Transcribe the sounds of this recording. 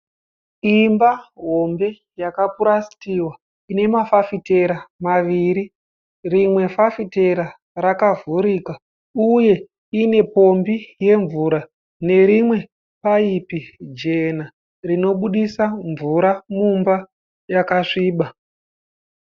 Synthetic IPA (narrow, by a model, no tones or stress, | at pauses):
imbaɦo̞mbe̞ | jakapuɾasi̥tiwa | ine̞mafafite̞ɾamaʋiːɾi | rimwe̞fafite̞ɾa | rakavuɾiːka | uje̞ | ine̞po̞mbije̞ɱvuːɾa | ne̞ɾimwe̞ | paipid͡ʒe̞na | rino̞ɓuɗisaɱvuɾamumba | jakaʂiːɓa